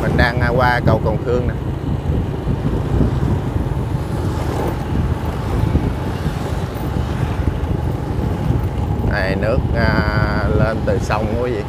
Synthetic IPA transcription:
mï˨˩ŋ̟ɗaː˧ŋa˧kwaː˧kə˨˧˩wkə˨˩wŋ͡mt̪ʰɨ˧əŋna˨˩˧ | ʔa˨˩jnɨ˦˥ək̚aː˨˧˩le˧nt̪ɨ˨˩sa˧wŋ͡mko˨˦vḭ˧˨

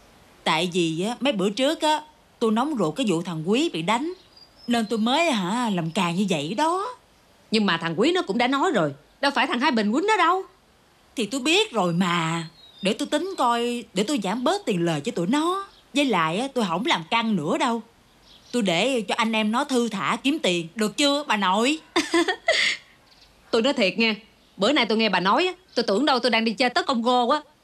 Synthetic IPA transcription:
t̪a̰ː˧˨jvi˨˩ʔaː˨˦mə˨˦jɓɨ̰˧˩ət͡ɕɨ˦˥ək̚ʔaː˨˦ | t̪o˧jnɔ˨˦wŋ͡mzṵ˨˩kaː˨˦jzṵ˧˨t̪ʰa˨˩ŋkwi˨˦vḭ˨ɗa˨˦jŋ̟ | ne˧nt̪o˧jməː˨˦jɦaː˧˩laː˨˩mkaː˨˩ŋɲɨ˧və̰˧˨jɗɔ˨˦ | ɲɨ˧ŋmaː˨˩t̪ʰa˨˩ŋkwi˨˦nɔ˨˦˥kʊ̰˧˥ŋ͡mɗaː˧˥nɔ˨˦jzo˨˩j | ɗa˨˧˦faː˧˩jt̪ʰaː˨˩ŋɦaː˧jɓi˨˩ŋkwi˨˦nɔ˨˦ɗə˧w | t̪ʰi˨˩t̪o˧jɓi˦˥ət̚zo˨˩jmaː˨˩ɗe˧˩t̪o˧jt̪ï˨˦ŋ̟kɔ˧jɗe˧˩t̪o˧jzaː˧˩mɓəː˦˥t̚t̪i˨˩nləː˨˩jt͡ɕɔ˧˦t̪ṵ˧˩nɔ˨˦ | zəː˨˦jla̰ː˨jʔaː˨˦t̪o˧jɦə˧˩wŋ͡mlaː˨˩mka˧ŋnɨ̰˧˥əɗə˧w | t̪o˧jɗe˧˩t͡ɕɔ˧ʔa˧ŋ̟ʔɛ˧mnɔ˨˦jt̪ʰɨ˧t̪ʰa̰ː˧˩ki˨˦əmt̪i˨˩ənɗɨ˨˩ək̚t͡ɕɨ˧əɓaː˨˩no˧˩˨j | t̪o˧jnɔ˨˦jt̪ʰi˨˩ət̚ŋɛ˧ | ɓəː˧˩˦na˧jt̪o˧jŋɛ˧ɓaː˨˩nɔ˨˦jʔaː˦t̪o˧jt̪ɨ˧˩əŋɗə˧wt̪o˧jɗaː˧ŋɗi˧t͡ɕə˧t̪əː˨˦kə˧wŋ͡mɣo˧kwaː˨˦

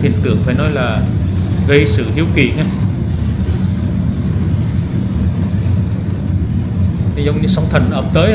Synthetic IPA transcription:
hḭ˨˧˩əŋt̪ɨ̰˧˩əŋfaː˧˩jnɔ˨˦jlaː˨˩ | ɣə˧jsɨ̰˧˨hi˨˧˦əwkḭ˧˩na˧˨˧ | zə˧wŋ͡mɲɨ˧˦sa˨˦wŋ͡mt̪ʰə˨˩nʔəː˨˩p̚t̪əː˨˦j

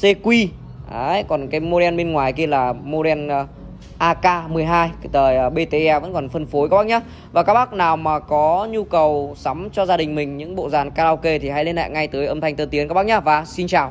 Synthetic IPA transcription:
se˧kwi˧ | ʔaː˨˦kɔ˨˩nkaː˨˦jmo˧ɾɛ˧nɓe˧nŋwaː˨˩jki˧əlaː˨˩mo˧ɾɛ˧n˧ | ʔaː˧kaː˧mɨ˨˩əjɦaː˧jt̪əː˨˩jːɓe˧t̪e˧ʔɛ˧və̰˧˥nkɔ˨˩nfə˧nfo˨˦jka˦˥ɓa˦˥k̚ɲaː˧˦ | vaː˨˩kaː˦˥k̚ɓaː˦˥k̚naː˨˩wmaː˨˩kɔ˨˦ɲu˧kə˨˩wsa˨˦mt͡ɕɔ˧zaː˧ɗï˨˩ŋ̟mï˨˩ŋ̟ɲɨ̰˧˥ŋɓo̰˧˨zaː˨˩nkaː˧laː˧wke˧t̪ʰi˨˩ɦa̰˧˥jle˧nla̰ː˧˨jŋa˧jt̪ɨ˨˦əjʔə˧mt̪ʰa˧jŋ̟t̪əː˧˩t̪i˨˦ənkaː˦˥ɓ̚ɲaː˨˧˦vaː˨˩si˧nt͡ɕaː˨˩w

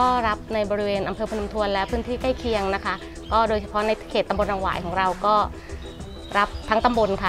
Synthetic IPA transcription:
kɔː˥˩ɾa˦˥p̚na˧jbɔː˧ɾi˦˥weː˧nʔa˧mpʰɤː˧pʰu˧nu˧mt̪ʰu˧ənlɛː˦˥pʰɯː˥nt̪ʰiː˥˩ka˥˩jkʰi˧əŋna˦˥kʰa˦˥ʔ | kɔː˥˩doː˧jt͡ɕʰsʰa˧pʰɔ˦˥na˧jkʰeː˨˩t̪ːa˧bo˧nɾaː˧ŋwa̰ː˨˩jkʰɔː˩˦ŋɾa˧wkɔː˥˩ | ɾa˦˥p̚t̪ʰa˦˥ŋt̪a˧mbo˧nkʰa˥˩

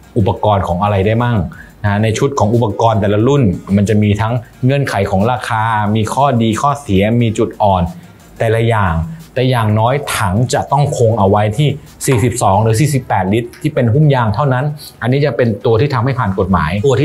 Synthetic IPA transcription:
ʔu˨˩pːa˧kɔː˧nkʰɔː˩˦ŋʔa˧ɾa˧jdaː˥˩jma˥˩ŋna˦˥na˧jt͡ɕʰu˦˥t̪̚kʰɔː˩˦ŋʔu˨˩pːa˧kɔː˧nt̪ɛː˨˩la˧lu˥˩nma˧nt͡ɕa˨˩miː˧t̪ʰa˦˥ŋːɤ˧ənkʰa˩˦jkʰɔː˩˦ŋɾaː˧kʰaː˧miː˧kʰɔː˥˩diː˧kʰɔː˥˩si˩˦ɐmiː˧t͡ɕu˨˩t̪̚ʔɔː˨˩n | t̪ɛː˨˩la˧jaː˨˩ŋt̪ɛː˨˩jaː˨˩ŋnɔː˦˥jt̪ʰa˩˦ŋt͡ɕa˨˩t̪ɔ˥˩ŋkʰo˧ŋʔa˧wa˦˥jt̪ʰiː˥˩ | siː˨˩si˨˩p̚sɔː˩˦ŋɾɯː˩˦s̬iː˨˩si˨˩pːɛː˨˩t̪̚li˦˥t̪ʰːiː˥˩pe˧nɦu˥˩mjaː˧ŋt̪ʰa˥˩wna˦˥n | ʔa˧nːiː˦˥t͡ɕa˨˩pe˧nt̪u˧iː˥˩t̪ʰmha˥˩jpʰaː˨˩nko˨˩t̪̚ma̰ː˩˦jt̪ː

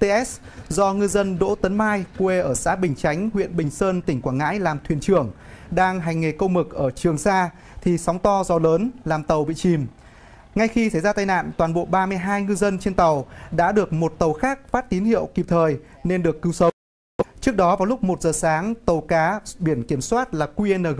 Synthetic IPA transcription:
t̪e˧ʔɛ˦˥s | zɔ˧ŋɨ˧zə˧nɗo̰˧˥t̪ə˨˦nmaː˧jkwe˧ʔəː˧˩sa̰ː˧˥ɓï˨˩ŋ̟t͡ɕa˨˦jŋ̟hwḭ˧˨ənɓï˨˩ŋ̟səː˧nt̪ï˧˩ŋ̟kwaː˧˩ŋa̰ː˧˥jlaː˨˩mt̪ʰwi˧˩ənt͡ɕɨ˧˩əŋ | ɗaː˧ŋɦa˨˩jŋ̟ŋe˨˩kə˧wmɨ˨˩k̚ʔəː˧˩t͡ɕɨ˨˩əŋsaː˧ | t̪ʰi˨˩sa˨˦wŋ͡mt̪ɔ˧zɔ˨˧˩ləː˨˦nlaː˨˩mt̪ə˨˩wɓḭ˧˨t͡ɕi˨˩m | ŋa˧jxi˧sa˧˩jzaː˧t̪aː˧jna̰ː˧˨nt̪waː˨˩nɓo̰˧˨ɓaː˧mɨ˧əjɦaː˧jŋɨ˧zə˧nt͡ɕe˧nt̪ə˨˩wɗa̰ː˧˥ɗɨ˨˩ək̚mo˨˩t̚t̪ə˨˩wxaː˦˥k̚faː˦˥t̚t̪i˨˦nhḭ˧˨əwki˨˩p̚t̪ʰəː˨˩j | ne˧nɗɨ˨˩əkːɨ˨˦wsə˨˦w | t͡ɕɨ˦˥ək̚ɗɔ˨˦vaː˨˩wlʊ˦˥k͡p̚mo˨˩t̚zəː˨˩saː˨˦ŋt̪ə˨˩wkaː˨˦ɓi˧˩ənki˧˩əmswaː˦˥t̚laː˨˩kwi˧ə˧nəː˨˩

